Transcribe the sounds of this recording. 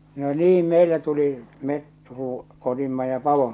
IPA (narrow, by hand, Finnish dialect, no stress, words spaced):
no niːm meilːæ tuli met ruː otimːɑ jɑ pɑʋom